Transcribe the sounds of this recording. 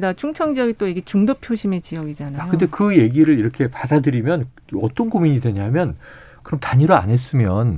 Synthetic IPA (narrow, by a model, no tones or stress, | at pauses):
dat͡ɕʰuŋt͡ɕʰʌŋd͡ʑiʌɡit͈ojiɡet͡ɕuŋdopʰjoɕʰime̞t͡ɕijʌɡid͡ʑanajokɯndekɯje̞ɡiɾɯɭiɾʌkʰe̞padadɯɾimjʌn | ʌt͈ʌnɡomiɲidwe̞ɲamjʌn | kɯɾʌmtaɲiɾoa̰nɦe̞s͈ɯmjʌn